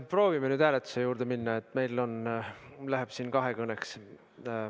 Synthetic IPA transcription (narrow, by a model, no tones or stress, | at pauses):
pro̞ːvimenyːd̪̥hæːlet̪ːˑu̥se̞juːɾd̪̥e̞minːɑe̞t̪ːˑme̞jlo̞nlæɦeb̥siːnkɑɦekɤneks